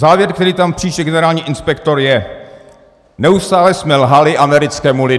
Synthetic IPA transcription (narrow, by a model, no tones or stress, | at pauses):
zaːvjɛɾk̚t̪ɛɾiːt̪ampr̥iːʃɛɡɛnɛɾaːlɲiːʔɪnspɛkt̪o̞ɾjɛ | nɛust̪aːlɛsmɛlɦalɪʔamɛɾɪt͡skɛːmulɪ